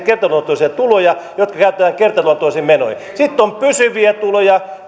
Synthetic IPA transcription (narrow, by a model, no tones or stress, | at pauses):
kert̪ɑluot̪oˑisiɑt̪ulojɑjot̪kɑkæyt̪ːæʋæːkert̪ɑluɑt̪oisiːmeno̰j | sit̪ːompysyʋiæt̪ulojɑ